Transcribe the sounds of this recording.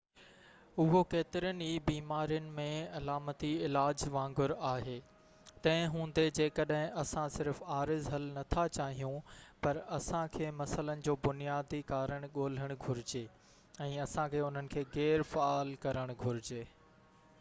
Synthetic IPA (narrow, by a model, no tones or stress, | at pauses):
ʊɦokeːt̪ɪɾəniːbiːmaːɾijʊnɪ̆mẽɐlaːmət̪iɪlaːd͡ʑʋãːŋɡʊɾaːɦeː | t̪ɐ̃ɦɪ̃ɦũːn̆d̪ed͡ʑeːkəɗɦɪ̃ʔɐsãsɪɾfaːɾɪzɦɐlnɐt̪ʰat͡ɕaːɦijũpɐɾɐsãkʰeːmɐsələnɪ̆d͡ʑoːbʊnijaːd̪ikaːɾəɽ̃ɠoːl̤əɽ̃ɡʱʊɾɪd͡ʑeː | ɛ̃ːɐsãkʰeːʊn̤ənɪ̆kʰeːɣɛːɾfaaːlkɐɾəɽ̃ɡʱʊɾɪd͡ʑeː